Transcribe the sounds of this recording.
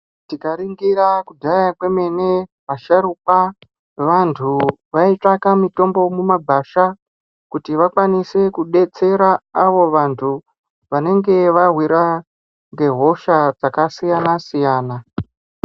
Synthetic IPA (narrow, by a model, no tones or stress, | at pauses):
tikaɾiŋɡiɾakudʱajakwe̞me̞ne̞ | ʋaʃaɾup̚a | ʋantʰuʋait͡ʂakamito̞mbo̞mumaɡʱaʃa | kutiʋakwanise̞kuɗe̞t͡se̞ɾaaʋo̞ʋantʰu | ʋane̞ŋɡe̞ʋaɦwiɾa | ŋɡe̞ɦo̞ʃad͡zakasijanasijaːna